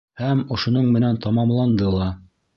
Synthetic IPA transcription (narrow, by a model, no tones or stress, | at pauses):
hæmŏʃŏnoɴmɘ̆nænt̪ɑmɑmlˠɑnd̪ɤlˠɑ